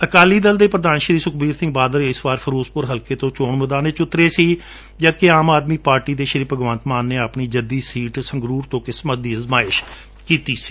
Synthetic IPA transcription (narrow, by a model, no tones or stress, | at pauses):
əkaːliːd̪əld̪eːpɾəd̪aːnʃɾiːsʊkbiːɾsɪ̃ŋɡbaːd̪əɾɪsʋaːɾpʰəɾoːspʊɾɦəlkeːt̪õːt͡ʃoːɳməd̪aːneːt͡ʃʊt̪ɾeːsiː | d͡ʒəd̪̚keaːmaːd̪miːpaːɾʈiːd̪eːʃəɾiːpəɡʋənt̪maːnːeːəpɳiːd͡ʒəd̪iːsiːʈsəŋɡɾuːɾt̪õːkɪsmət̪̚d̪iːəzmaːɪʃ | kiːt̪iːsi̥ː